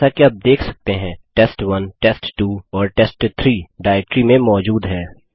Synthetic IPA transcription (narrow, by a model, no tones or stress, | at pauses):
akiɐb̚d̪eːkʰsɐ̥k̚t̪eɦɛ̃ːʈɛːsʈʋɐnʈɛːsʈʈuːɔːɾʈɛsʈt̪ʰɾiːɖaːɛk̚ʈɾimẽmɔːd͡ʒuːd̪ɦɛː